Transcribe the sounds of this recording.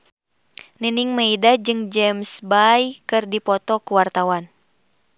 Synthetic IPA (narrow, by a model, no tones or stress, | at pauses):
niniŋmaidad͡ʒɨŋd͡ʒɛmsbajkɨrdipɔt̪ɔkuwart̪awan